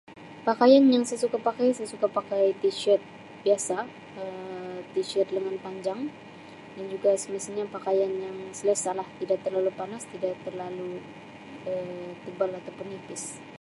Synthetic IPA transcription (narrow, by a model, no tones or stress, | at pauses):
pakajanjaŋsajsukapakajsajsukapakajt̪iʃɛt̪̚ | biasa | ət̪iʃɛt̪̚dəŋanpaɲd͡ʒaŋ | dand͡ʒuɡasəmisilɲapakajanjaŋsələsalaht̪idaʔ̚t̪ərlalupanast̪idaʔt̪ərlalu | ət̪əbalat̪awpʊnhipɪs